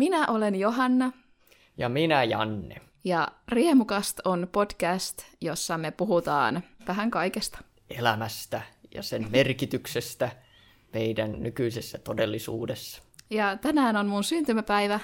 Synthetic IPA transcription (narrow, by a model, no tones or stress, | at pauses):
minæʔolenjoɦɑnːɑ | jɑminæjɑ̰nːḛ | jɑriemukɑst̪onpod̥kæst̪josːɑmepuɦut̪ɑ̰ːnʋæɦæŋkɑikest̪ɑ̥ | elæmæst̪æjɑ̰semmerkit̪yksest̪æ | meidænnykyisesːæt̪odelːisṵːdesːɑ̥ | jɑt̪ænæːnonmunsynt̪ymæpæiʋæ